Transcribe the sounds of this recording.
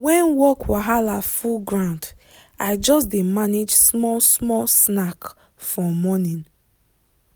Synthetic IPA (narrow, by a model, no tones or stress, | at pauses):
wɛ̃nwɔkwaɦalafulɡɹãʊ̃nd | aɪd͡ʒɔsdemaned͡ʒsmɔsmɔlsnak | fɔmɔnĩn